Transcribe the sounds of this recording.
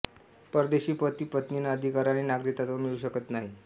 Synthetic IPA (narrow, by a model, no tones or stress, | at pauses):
pəɾd̪eɕiːpət̪iːpət̪ninaəd̪ʱikaɾaninaɡɾit̪at̪amiɭuɕəkət̪naɦi